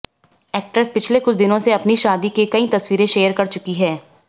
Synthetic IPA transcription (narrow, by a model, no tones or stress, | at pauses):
ɛːk̚ʈɾəspɪt͡ʃʰlekʊt͡ʃʰd̪ɪnõseɐpniʃaːd̪ikekɐit̪ɐswiːɾẽʃeːjəɾkɐɾt͡ʃʊkiɦɛː